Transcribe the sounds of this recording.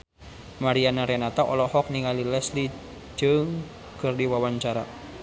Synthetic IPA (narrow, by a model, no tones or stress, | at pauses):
maɾianaɾɛnat̪aʔɔlɔhɔk̚niŋalilɛsli | d͡ʒɨŋ | kɨrdiwawaɲt͡ʃaɾa̰